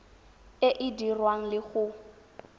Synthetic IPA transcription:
ɪʔɪdirwaŋ̩lɪɣʊ

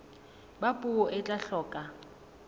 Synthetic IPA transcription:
bapʼuɔʔɪt͡ɬʼaɬɔːkʼa

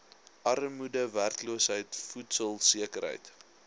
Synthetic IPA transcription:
ʔɐrmudəværtluəsɦəjtfutsəlˠsiəkəɾɦə̰jt

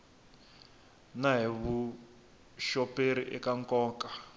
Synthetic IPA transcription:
naɦiβu | ʃɔpʼeɾiʔɛkaŋkʼɔːkḁ

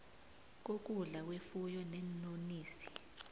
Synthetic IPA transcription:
k̬ok̬uɮawefujɔnɛnoniːsi̥

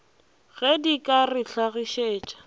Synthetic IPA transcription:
ɣɛdikʼarɪɬaɣɪʃeːt͡ʃʼḁ

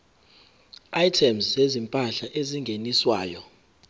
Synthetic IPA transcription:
ajtʰɛmszezimpʼaɬaʔeziŋɡʱeniswaːjɔ

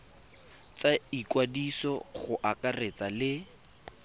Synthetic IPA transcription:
t͡saikwadisɔχʊʔakaret͡salɪ

